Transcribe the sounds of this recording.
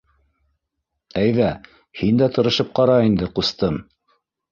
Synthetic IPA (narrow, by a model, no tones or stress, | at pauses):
æjðæ | hind̪æt̪ɤ̆ɾɤ̆ʃɤp̚qɑɾɑind̪ɘqust̪ɤm